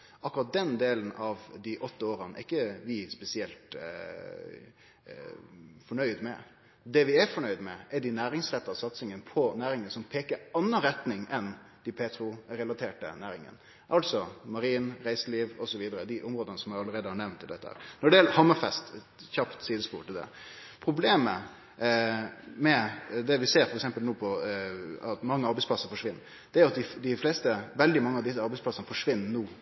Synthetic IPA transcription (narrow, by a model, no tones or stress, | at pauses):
ʔɑkʊɾɑt̪̚d̪ɛnd̪eːlənɑʋd̪iʔɔt̪ːəoːɾɑnə̰ɪkːəʋɪspɛsɪɛlt̪ | fɔɳœʏd̪mɛ̰ | d̪ɛʋɪæfɔɳœʏd̪mɛ̰ɛɖɪnæːɾɪŋsɾɛt̪ːɑsɑt̪sɪŋənpʰɔnæːɾɪŋənsɔmpʰeːkəɑnːəɾɛt̪nɪŋɛn | d̪̥ɪpʰeːt̪ɾʊɾɛlɑt̪ʰeːʈə̰næːɾɪŋə̰n | ʔɑlt̪sɔmɑɾiːnɾæɪsəliːʋɔsɔʋiːd̪əɾəd̪ɪʔʊmɾoːd̪ənəsɔmæɪɑləɾeːd̪əhɑɳɛʋnt̪ʰːɪld̪ɛt̪ːəhæ̰ːɾnɔɖɛjɛləhɑmːɑfɛst̪ | çɑpt̪siːd̪əspṵːʈ̪ʰɪd̪ɛ̰ | pʰɾʊbleːmə | mɛd̪ɛʋɪseːɾfɔɾɛksɛmpəlnoːpʰɔ | ɑt̪mɑŋːəɑɾbɛɪspʰlɑsːəɾfɔʂʋɪnː | d̪̥ɛæɾjʊɑt̪̚d̪ɪd̪ɪfleːst̪əʋɛld̪ɪmɑŋːəɑʋd̪ɪs̬ːəɑɾbɛɪsplɑsənəfɔʂʋɪnːnuː